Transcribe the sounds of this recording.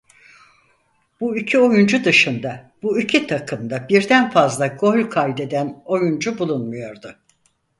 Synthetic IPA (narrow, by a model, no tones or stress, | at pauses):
b̥uycʰyo̞jund͡ʒud̪ɯʃɯnd̪ab̥uycʰit̪ʰakʰɯmd̪abiɾd̪ænfazlˠaɡo̞lʲkʰajʲd̪e̞d̪æno̞jund͡ʒubulˠunmujo̞ɾd̪ʊ